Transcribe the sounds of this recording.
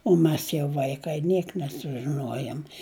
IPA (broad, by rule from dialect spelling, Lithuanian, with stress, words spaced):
oː ˈmʲɛs jɛʊ ˈʋɐɪkɐɪ ˈnʲiɛk nʲɛsʊʒʲɪˈnuɔjoːm